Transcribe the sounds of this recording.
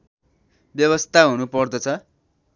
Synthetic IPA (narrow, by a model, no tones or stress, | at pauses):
bjʌβʌst̪ʰaɦunupʌrd̪ʌt͡sʰʌ